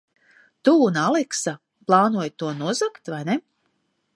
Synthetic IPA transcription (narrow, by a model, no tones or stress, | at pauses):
t̪uːnalˠɛksa | plˠaːnuɔjt̪uɔnuɔzakt̪vajne